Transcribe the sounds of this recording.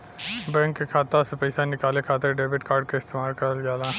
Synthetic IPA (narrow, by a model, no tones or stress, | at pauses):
bɛ̃ːŋkːekʰaːt̪asepɐɪsanɪkaːlekʰaːt̪eɾɖeːbɪʈkaːɾɖ̚kaɪst̪eːmaːlkɐɾəlɡaːlãː